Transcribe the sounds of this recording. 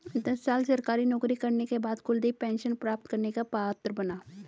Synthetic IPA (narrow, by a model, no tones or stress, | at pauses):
d̪ɐsːaːlsɐɾkaːɾinɔːkɾikɐɾnekebaːd̪kʊld̪ipɛ̃ːnʃənpɾaːp̚t̪kɐɾnekapaːt̪ɾbɐnaː